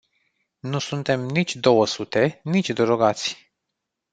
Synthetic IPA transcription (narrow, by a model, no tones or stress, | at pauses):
nusunt̪e̞mnit͡ʃʲd̪o̞wəsut̪e̞nit͡ʃʲd̪əɾoɡat̪sʲ